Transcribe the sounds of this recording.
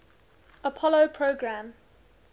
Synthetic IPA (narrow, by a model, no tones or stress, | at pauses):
əpʰɔlopʰɹoɡɹãm